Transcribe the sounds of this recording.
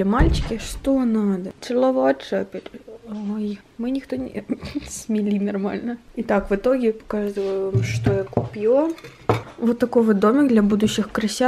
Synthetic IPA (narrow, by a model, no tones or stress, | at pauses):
ɐmalʲt͡ɕɪ̥kʲɪʂt̪onad̪ɐsʲɨlˠɐʋat͡ʂapʲɪɾʲoj | mɨnʲɪxt̪onʲɪ̰smʲɪlʲinɐrma̰lʲnəit̪akʋɨt̪oɡʲɪpɐ̥kaʐd̪ɨvʊmʂt̪ojakʊpʲjo | vot̪ːɐkoʋɨd̪omʲɪkd̪lʲɐbud̪ʊɕːɪxkɾɐsʲa